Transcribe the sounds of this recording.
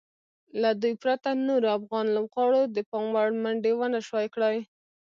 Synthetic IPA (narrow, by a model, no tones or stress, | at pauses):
lad̪ujpɾat̪anoɾoafɣɑnlamɣɑɽod̪əpɑmwaɽmaɳɖewanaʃwɑjkɽaj